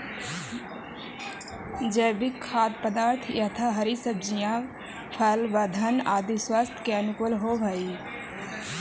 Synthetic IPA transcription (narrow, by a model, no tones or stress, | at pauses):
d͡ʒebikʰːaːd̪̚pəd̪aːɾt̪ʰjɐt̪ʰaɦɐɾisəb̚d͡ʒijãː | pʰɐlʋɐd̪ʱɐnaːd̪iswaːst̪ʰkeɐnukolɦobʱɐi